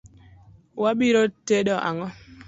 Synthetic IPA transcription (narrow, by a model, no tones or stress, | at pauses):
wabiɾoteɗɔʔa̰ŋɔ